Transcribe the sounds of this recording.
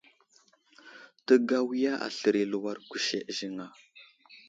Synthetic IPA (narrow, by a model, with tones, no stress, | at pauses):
tə˨ɡa˦wi˦ja˦ʔa̰˨ɬə˨ɾi˨lu˨wa˦ɾku˨ʃḛ˨ʔʒi˨ŋa˨